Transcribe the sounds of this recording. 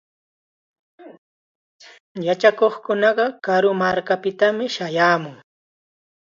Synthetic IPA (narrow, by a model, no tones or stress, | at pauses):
jat͡ʃakoχkʊnɑɢɑkaɾʊmaɾkapɪt̪amɪʃajaːmʊŋ